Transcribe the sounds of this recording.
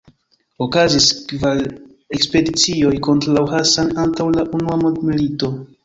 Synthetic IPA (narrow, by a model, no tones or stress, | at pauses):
okaziskval | ekspe̞dit͡sio̞jko̞ntɾalawɦasanantawlaʔunuamodmilito̞